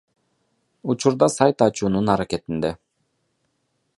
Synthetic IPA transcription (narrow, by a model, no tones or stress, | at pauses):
ut͡ʃuɾd̪ɑsɑjt̪ɑt͡ʃuːnunɑɾaket̪ind̪e